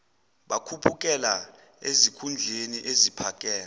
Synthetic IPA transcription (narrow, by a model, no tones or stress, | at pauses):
ɓakʰupʰuk̬ʼɛla | ezikʰund͡ɮʱeniʔezipʰak̬ʼɛːla